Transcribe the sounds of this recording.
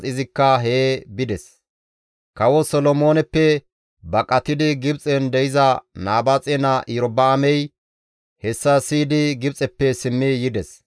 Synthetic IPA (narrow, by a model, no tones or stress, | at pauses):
ɪzɪkːɐɦebɪd̪ɛs | kɐwɔsɔlɔmo̞ːnɛpːɛ | bɐkʼɐt̪ɪd̪ɪɡɪbt͡sʼɛnd̪ɛjɪzɐnaːbat͡sʼɛnɐʔjɾɔbaːmɛj | hɛsːɐsiːd̪ɪɡɪb̚t͡sʼɛpːɛsɪmːɪjɪd̪ɛs